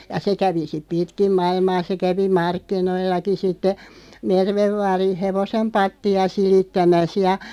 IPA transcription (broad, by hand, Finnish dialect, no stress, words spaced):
jɑ se kæʋi sip̆ pitkim mɑilmɑː se kæʋi mɑrkːinoilːɑki sitːe merʋeʋ ʋɑːrin̞ heʋosem pɑtːiɑ silitːæmæs jɑ